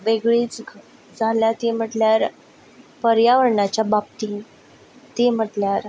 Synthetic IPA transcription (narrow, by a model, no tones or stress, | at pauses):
ʋeɡɭiːt͡s | d͡zʱaljat̪em̤əʈljaɾ | pəɾjaʋəɾɳat͡ɕjabab̚t̪i | t̪em̤əʈljaɾ